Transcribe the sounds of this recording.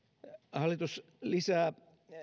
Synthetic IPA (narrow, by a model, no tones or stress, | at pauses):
hɑlːˑit̪us | lisæː